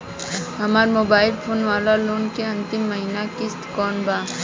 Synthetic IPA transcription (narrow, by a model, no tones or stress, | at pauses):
ɦɐmaːɾmoːbaːɪlpʰoːnʋaːlaloːnkeɐ̃nt̪imːɐɦiːnakɪst̪kɔːnbaː